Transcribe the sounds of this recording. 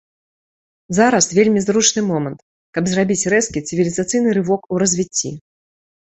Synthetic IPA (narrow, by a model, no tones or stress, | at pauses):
zaɾɐsvʲelʲmʲizɾut͡ʂnɨmɔmɐnt̪ | kɐbzrabʲit͡sʲrɛskʲit̪sɨvʲilʲizat̪sɨjnɨɾɨvɔkuɾɐzʲvʲit͡sʲːḭ